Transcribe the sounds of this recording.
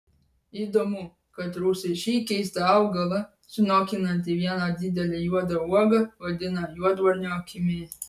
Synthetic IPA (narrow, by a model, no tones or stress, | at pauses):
id̪omʊ | kɐt̪ɾusɐɪʃʲiːkʲɛɪst̪ɐɐʊɡɐlˠɐ | sʊnɔːkʲɪnɐnʲt̪ʲɪʋʲiɛnɐd̪ʲɪd̪ʲɛlʲejuɔd̪ɐuɔɡɐʋɐd̪ʲɪnɐjuɔd̪ʋɐɾʲnʲokʲɪmʲe